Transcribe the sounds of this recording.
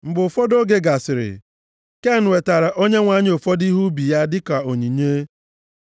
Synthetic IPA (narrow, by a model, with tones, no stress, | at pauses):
m̩˨bʊ˨fɔ˦do˦ɡe˦ɡa˨sɪ˨ɾɪ̰˨ | ke˦˨n̩˨we˨ta˨ɾa˨ʔo˦ɲe˦ŋʷa˨˦ɲ˦o˨fɔ˦di˦ɦu˦bi˨ja˦dɪ˦ka˨o˨ɲi˨ɲe˦